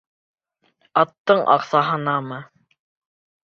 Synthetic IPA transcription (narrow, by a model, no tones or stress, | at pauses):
ɑt̪ːɤɴʔɑ̰qsɑɦɤ̆nɑmɤ